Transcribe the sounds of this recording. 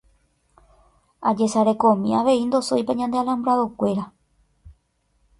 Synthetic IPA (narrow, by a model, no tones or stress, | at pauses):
ad͡ʒe̞saɾe̞kõ̞mḭ̃aʋe̞ind̪o̞sojpeɲãnd̪ealambɾaðokʷe̞ɾa